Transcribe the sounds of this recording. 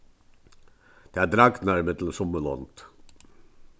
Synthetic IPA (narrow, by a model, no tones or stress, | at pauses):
d̪̥eːæːd̪ɾɑɡ̪næɾmət̪ʰlsɔmːəɭɔ̰nt̪